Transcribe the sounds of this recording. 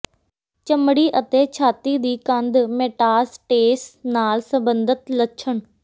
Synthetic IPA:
t͡ʃəmɽiːʔət̪eːt͡ʃʰaːt̪iːd̪iːkənd̪meːʈaːsʈeːsnaːlsəbənd̪ət̪ləʃʰəɳ

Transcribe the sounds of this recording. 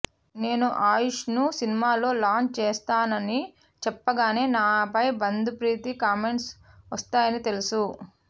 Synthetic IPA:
ne̞ːnuʔaːjuʂnusinimaːlo̞ːlaːnt͡ʃeːst̪aːnɐni | t͡ʃɛpːɐɡaːne̞ːnaːpɐjbɐnd̪upɾiːt̪ikaːme̞ɳʈsʋɐst̪aːjɐnit̪e̞lusu

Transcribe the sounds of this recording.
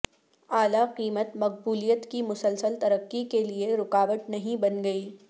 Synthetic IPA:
aːlaqiːmət̪mɐq̚buːlijət̪kimʊsəlsəlt̪ɐɾəqːikelieɾʊqaːʋət̪nɐɦĩbɐnɡɐiː

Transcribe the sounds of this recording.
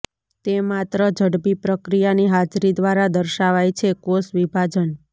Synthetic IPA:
t̪emat̪ɾəd͡ʒʱəɽbipɾəkɾijaniɦad͡ʒɾid̪ʋaɾad̪əɾʃaʋajt͡ʃʰekosʋibʱad͡ʒən

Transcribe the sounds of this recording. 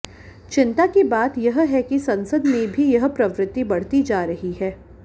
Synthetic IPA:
t͡ʃɪ̃nt̪akibaːt̪jɐɦɦɛkisɐ̃nsəd̪mẽbʱijɐɦpɾɐʋɾɪt̪ːibɐɽ̤t̪id͡ʒaːɾɐɦiɦɛː

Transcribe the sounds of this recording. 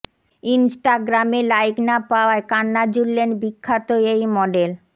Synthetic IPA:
insʈaɡɾamelajknapaoaekanːad͡ʑulːenbikʰːat̪oejmɔɖel

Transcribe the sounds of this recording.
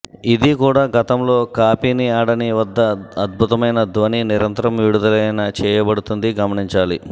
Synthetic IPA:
id̪ikuːɽaːɡɐt̪ɐmlo̞ːkaːpiːniaːɽɐniʋɐd̪ːɐːd̪̚bʱut̪ɐmɐjnɐd̪ʋɐniniɾɐnt̪ɐɾɐmʋiɽud̪ɐlɐjɐnɐt͡ʃɛːjɐbɐɽut̪und̪iɡɐmɐɳiɲt͡ʃaːli

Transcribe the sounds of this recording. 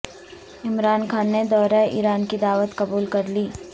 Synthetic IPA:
ɪmɾaːnkʰaːnːed̪ɔːɾaʔḭːɾaːnkid̪aːʋət̪kɐbuːlkɐɾliː

